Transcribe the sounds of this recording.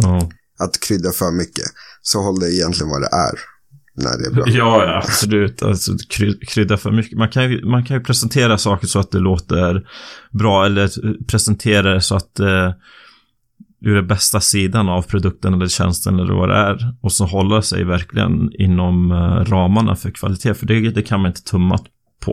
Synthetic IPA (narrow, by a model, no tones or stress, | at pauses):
ɑː | at̪kʰɾʏd̪ːafœːɾmʏkːə̰sɔhɔlːadɛɪjɛnt̪lɪɡənva̰d̪ɛ̰ʔæ̰ɾ | næ̰ɖɛɛjɑːja̰b̥sɔlʉ̟ːt̪ʰa̰lsɔ̰kʰɾʏkʰɾʏd̪ːafœ̰ːɾmʏkːəmankʰanjəmankʰanjɵpʰɾɛsɛnt̪ʰeːɾasɑːkəʂɔat̪̚d̪ɛloːt̪əɾbɾɑːɛlːəɾpʰɾɛsɛnt̪ʰeːɾaɾɛsɔat̪̚dɛ | ʉɾɛnbɛst̪asiːd̪anavpʰɾʊd̪ɵk̚t̪ənɛlːəɾɕɛ̰nst̪ənɛlːɛ̰va̰d̪ɛ̰æɾɔsɔɦɔlːəɾsɛ̰jvæɾklɪɡə̰nɪ̰nːɔmɾɑːmaɳa̰fœɾkʰv̥a̰lɪt̪ʰeːfœɖɛd̪ɛkʰanmanɪnt̪ət̪ʰɵmːa̰t̪ | pʰɔ̰